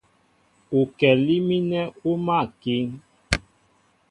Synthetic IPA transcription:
u˨kɛ˨li˦mi˦nɛ˦u˦ma˦˨ki˦ŋ

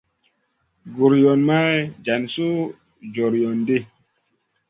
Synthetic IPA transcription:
ɡu˨ɾjɔ˨nma˦d͡ʒa˨nsu˦ | d͡ʒo˨ɾjo˨nde˦˨

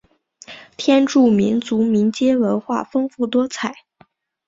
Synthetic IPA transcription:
t̪ʰjɛ˥nʈ͡ʂu˥˩mi˧˥nt͡su˧˥mi˧˥nt͡ɕjɛ˥wə˧˥nxwa̰˥˩fɤ˥ŋfu˥˩t̪wɔ˥t͡sʰa˨˩˦ɪ

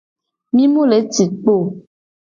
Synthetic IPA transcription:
mĩ˦mu˦le˨˦t͡si˨t̚k͡po˦˨

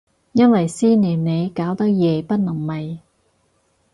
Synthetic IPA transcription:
jɐ˥nwɐ˨jsiː˥niː˨˩nne˨˧jkaː˨˥wt̪ɐ˥k̚jɛː˨pɐ˥t̚nɐ˨˩ŋmɐ˨j

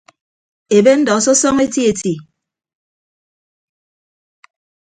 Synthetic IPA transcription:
e˨be˦n̩˦dɔ˨sɔ˦sɔ˦ŋe˦ti˦e˨ti˨

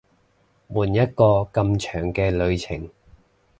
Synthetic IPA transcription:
wuː˨˩njɐ˥t̚kɔː˧kɐ˧mt͡ʃʰœː˨˩ŋkɛː˧lɵ˨˧ɥt͡sʰɪ˨˩ŋ

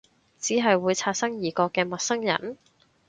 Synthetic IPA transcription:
t͡siː˨˥ɦɐ˨jwuː˨˧jt͡sʰaː˧t̚sɐ˥ŋjiː˨˩kɔː˧kːɛː˧mɐ˨t̚sɐ˥ŋjɐ̰˨˩n

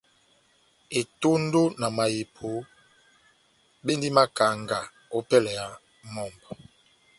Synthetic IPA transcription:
e˨to˦n˦do˦na˨ma˨ji˨pʰo˨˦ | be˦ndi˦ma˦ka˨ŋɡa˨ | o˦pɛ˦lɛ˨ja˨ | mɔ˨mbɔ˨

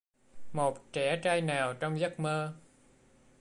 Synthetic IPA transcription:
mo˨˩t̚t͡ɕɛ˧˩t͡ɕaː˧jnaː˨˩wt͡ɕɔ˧wŋ͡mzə˦˥k̚məː˧

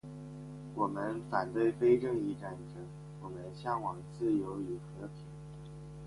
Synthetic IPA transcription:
wɔ˨˩mə˦nfa˨˩nt̪we˥˩ɪfe˥ɪʈ͡ʂɤ˥˧ŋi˧˥ʈ͡ʂa˧˥nʈ͡ʂʰɤ˧˥˦ŋ | wɔ˨˩mə˦nɕjɑ˥˩ŋwɑ˨˩ŋt͡sɹ̩˥˩jo˧˥ʊy˨˩xɤ˧˥t̪ʰi˨˧˥ŋ

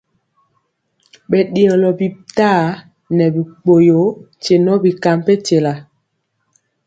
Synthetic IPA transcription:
ɓɛ˨ɗi˨ɔ˨lɔ˨bi˨taː˦˨ | nɛ˨bi˨k͡po˨jo˨˦ | t͡ʃe˨nɔ˦bi˨ka˨mpe˦te˨la˨

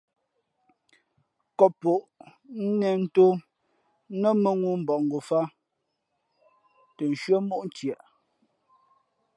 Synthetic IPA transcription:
kɔ˨po˨ʔn̩˦nɛ˨n̩˦to˦ | nə˦mə˨ŋu˦m̩˨bɔ˨ŋ˨ɡo˨fa˦ | tə˨n˨ʃɥə˦mo˦ʔn̩˦tjɛ˨ʔ

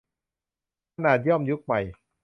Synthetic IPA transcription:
kʰa˧naː˨˩t̪̚jɔ˥˩˨mju˦˥k̚ma˨˩j

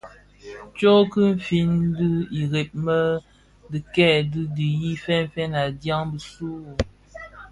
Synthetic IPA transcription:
t͡ʃo˦kə˦m̩˦˨fi˦n˦dɨ˦i˨ɣe˨p̚mə˦ | di˨kɛ˦˨dɨ˦di˨ji˦fɛ˦m˦fɛ˦na˨dja˦ŋbə˨su˦˨

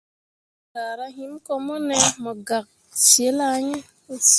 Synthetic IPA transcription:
ta˨ɾa˦ɦi˦mko˧mɔ˦ne˦mɔ˨ɡa˨k̚ | t͡ʃi˨e˦la˦ɲe˦

